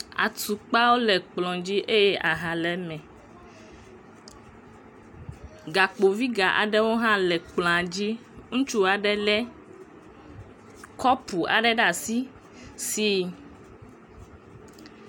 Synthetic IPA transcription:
a̰˨t̪u˨k͡pa˦wo˦lɛ˨k͡plɔ̃˨d͡ʑi˦ʔe˦jɛ˦ʔa˨ɦa˨lɛ˨mɛ̃˨ | ɡa˨k͡po˨vi˦ɡa˨ʔa̰˨ɖɛ˦wo˦ɦã˦lɛ˨k͡plɔ̃˨ã˨d͡ʑi˦ŋũ˦t͡ʃu˦a˨ɖɛ˦lɛ˦ | kɔ˦pu˨a̰˨ɖɛ˦ɖa˨si˦ | si˦

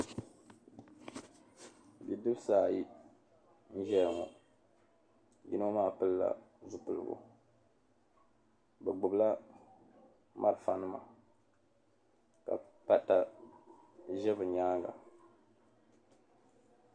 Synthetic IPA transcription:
bi˨dɨ˦bsaː˦˨ji˦ | n̩˦ʒɛ˦lŋɔ˨ | ji˦no˦maː˦˨pɨ˦lla̰˨ | zu˦pɨ˨lɨ̰˨ɡʊ̰˦˨ | bɛ˨ɡ͡bʊ˨bla˦ | ma˦ɾɨ˨fa˨nɨ˦ma̰˨ | ka̰˨pa˦ta˨ | ʒɛ˦bɨ˨ɲaː˦ŋɡa̰˨

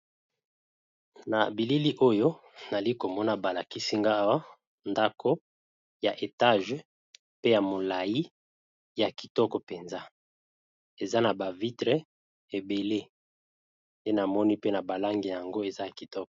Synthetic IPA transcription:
na̰˨bi˨li˦li˦ʔo˦jo˦na˨li˦ko˨mɔ˦na˦ba˨la˨ki˦si˦ŋɡa˦wa˦ | nda˦kʰo˦ | ja˨ʔe˨ta˦ʒ | pe˦ja˨mo˨la˨ji˦ | ja˨ki̥˨tɔ˦kɔ˨pe˨nza˦ | e˨za˦na˨ba˨vi˦tʁe˦ | e˨be˨le˦ | je˦na˨mɔ˦ni˦pe˦na˨ba˨la˦ŋɡi˨a˨a˨ŋɡo˦e˨za˦ja˨ki˨tɔ˦k

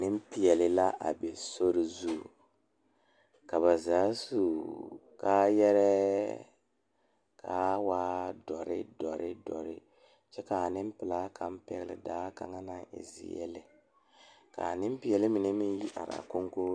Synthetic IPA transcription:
nɪ˦m˦pɪ˦jɛ˨lɪ˨la˦ʔa̰˨be˨so˦ɾɪ˦zu˦˨ | ka˨βa˨zaː˨˦su˦kaː˦jɛ˦ɾɛ˦ | kʰa˦waː˦dɔ˨ɾɪ̰˦dɔ˨ɾɪ˦dɔ˨ɾɪ˦ | t͡ʃɛ˦ka˨nɪ˦m˦pɪ˨laː˦kʰa˦m˦pɛ˦ɣɪ˦lɪ̰˨daː˦ka̰˨ŋa˦na˦ɪ̰˨zɪ̰˨jɛ̰˦lɪ˨ | ka̰˨nɪ˦m˦pɪ˦jɛ˨lɪ˦mi˨nɛ˦mɪ˦ji˦ʔa̰˨ɾa̰˨ko˦ŋko˦

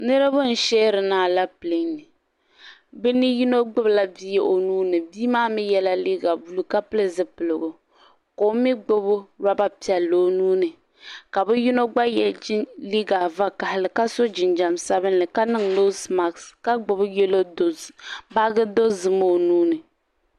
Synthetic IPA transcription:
nɨ˦ɾɨ˦bʊ˦n̩˨ʃɛː˦ɾɨ˨naː˨la˦pɨ˨le˨nɨ˨ | bɛ˦ni˦ji˦no˦ɡ͡bʊ˦bla˦bi˦je˦ʔo˨nuː˦nɨ˨biː˦maː˦mi˦jɛ˦la˦li˦ɡa˨bu˦lu˦ka˦pɨ˦lɨ˦zɨ˦pɨ˨lɨ˨ɡʊ˨ | ko˨˦mi˦ɡ͡bʊ˦bʊ˦ɾa˦ba˦pi˨ɛ˨lːo˨˦nuː˦nɨ˨ | ka˨bɨ˦ji˦no˦ɡ͡ba˦jɛ˨˦li˦ɡa˨va˦ka˨hɪ˨lɨ˨ka˦so˦d͡ʒɪ˨nd͡ʒa˨msa˦bɨ˦nlɨ˨ka˦nɨ˦ŋlo˦sma˨kska˦ɡ͡bʊ˨bjɛ˦lo˦do˨ba˦ɡɨ˦do˦zɨ˨mo˦˨nuː˦nɨ˨

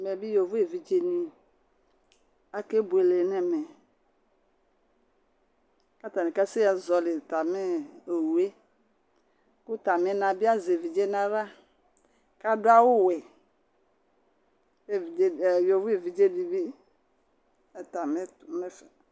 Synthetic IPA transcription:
mɛ˨bi˦jo˨vu˦e˨vi˨d͡ʒe˦nĩ˨ | a˦ke˦bu˨e˨le˨nɛ˨mɛ˨ | ka˦t̪a˨nĩ˨ka˦si˦a˨zɔ˨le˨t̪a˨me˦e˨wu˨e˦ | ku˦t̪a˨mɛ˨nã˨bi˦a˦ze˨vi˨d͡ʒe˦nã˦ɾa˦ | ka˦do˦a˦wo˦wɛ˨ | e˦i˨e˦˨jo˨vu˦e˨vi˨d͡ʒe˦di˨bi˦˨ | t̪a˨mɛ˦tmɛ˦fɛ˨

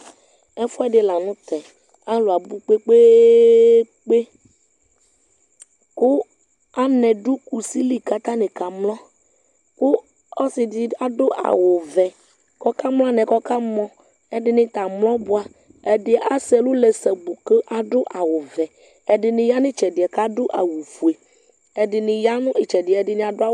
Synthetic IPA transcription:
ɛ˦fɔ˦ɛ˦ɖɪ˨la˨nũ˦t̪ɛ˨ | a˦lo˨a˨bu˦k͡pe˦k͡pe˦ | k͡pe˦ | kʊ˦ | a˦nɛ̃˨ɖu˦ku˨si˦li˨ka˦t̪a˦nẽ˨ka˨mlɔ̃˦ | kʊ˦ | ɔ˦sɪ˨dɪ˨a˦do˦ʔa̰˨wo˨vɛ˨ | kɔ˦ka˦mlɔ˦a˦nɛ̃˨kɔ˦ka˦mɔ̃˦ | ɛ˦dɪ˨nɪ̃˦t̪a˨mlɔ̃˦bʊ˦a˨ | ɛ˨dɪ˨ʔa˨sɛ˨lʊ˦lɛ˨sɛ˨bu˨ke˦ʔa˨ɖʊ˦ʔa˨wʊ˨vɛ˨ | ɛ˨dɪ˨nɪ̃˨ja˦nɪ̃˦t͡ʃɛ˨dɪ˨a˨ka˦dʊ˦ʔa̰˨wu˨fu˨e˨ | ɛ˨dɪ˨nɪ̃˨ja˦nʊ̃˦e˨t͡ʃɛ˨dɪ˨ɛ˨dɪ˦nɪ̃˨a˨dʊ˦a˦

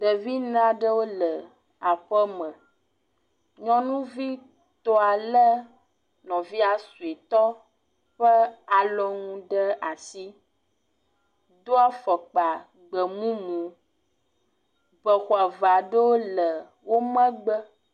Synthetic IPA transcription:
ɖə˨vi˦n˦ã˦ɖə˦wo˦lə˨ | a˨ɸə˦mə̃˨ | ɲɔ̃˦nũ˦vi˦ | t̪ɔ˦a˨lə˦ | nɔ̃˨vi˦a˨su˨e˨t̪ɔ˦ | ɸə˦a˨lɔ˦ŋũ˦ɖə˦a˨si˦ | d̪o˦a˦fə˨k͡pa˨ | ɡ͡bə˨mũ˦mũ˨˦ | bə˨xwa˨va˨ɖə˦wo˦lə˨ | wo˦mə̃˦ɡ͡bə˦

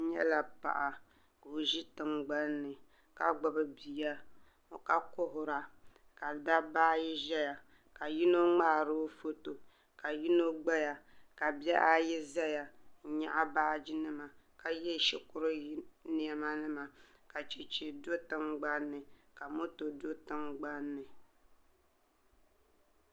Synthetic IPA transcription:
ɲɛ̰˦la˨pa̰˨ʔa˨ | ko˨ʒi˦tɨ˨ŋɡ͡ba˦nːɨ˨ | ka̰˦ɡ͡ba˦bɨ˦bi˨ja˦ | o˨ka˦kʊ˦ɦʊ˨ɾa˨ | ka˨da˦baː˦jɛ˦ʒɛ˦ja˨ | ka˨ji˦no˦ŋ͡maː˦˨ɾo˦fo˦to˨ | ka˨ji˦no˦ɡ͡ba˦ja˨ka˨bɛ˦ʔa˦jɛ˦zɛ˦ja˨˦ɲa˦ʔa˦baː˦d͡ʒi˦nɨ˦ma˨ | ka˨jɛ˦˨ʃɛ˨kʊ˦ɾɨ˦ni˨ɛ˨ma˦nɨ˦ma˨ka˨t͡ʃe˨t͡ʃe˨do˦tɨ˦ŋɡ͡ba˦nːɨ˨ka˨mo˦to˨do˦tɨ˦ŋɡ͡ba˦nːɨ˨

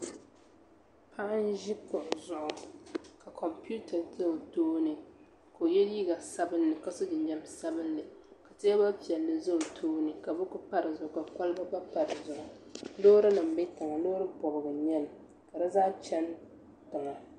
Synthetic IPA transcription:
pʰa˦ʔa˦n˦ʒi˦kʊ˨ʔzʊ˨ʔʊ˨ka˨kʰɔ˨mpu˦tʰa˨zo˦˨toː˦nɨ˨ | ko˨jɛ˦li˦ɡa˨sa˦bɨ˦nːɨ˨ka˦sɨ˦d͡ʒɪ˨ɲd͡ʒɛ˦m˦sa˦bɨ˦nlɨ˨ka˨tɪ˦a˦ba˦pi˨ɛ˨lːɨ˨zʊ˦˨tʰoː˦nɨ˨ka˨bɛ˦kʊ˦pa˦ɾɨ˨zʊ˨ʊ˨ka˨ka˦lba˦ba˦pa˨ɾɨ˨zʊ˨ʔʊ˨lo˦ɾɨ˦nɨ˨m˦bɛ˦ta˨ŋa˨loː˦ɾɨ˦bɔ˨bɨ˨ɡɨ˨ɲɛ˦l | ka˨dɨ˦zaː˦t͡ʃɛ˦n | tʊ˨ŋa˨

